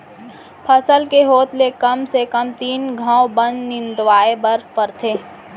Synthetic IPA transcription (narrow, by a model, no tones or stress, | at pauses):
pʰɐsəlkeɦoːt̪lekɐmsekəmt̪iːnɡʱãːwbə̃nd̪nɪ̃nd̪ʋaːebəɾpəɾt̪ʰeː